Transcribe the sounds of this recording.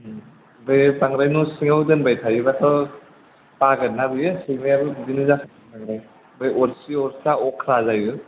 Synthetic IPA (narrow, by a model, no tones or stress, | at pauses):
bajpaŋɾajnusiŋawdɐnbajtʰajɯbatʰɔ | paɡɐnːabɯjɯsimiabɯdinɯzakʰ | paŋɾaj | bajʔɔɾsiɔɾsaɔkʰɾazajɯ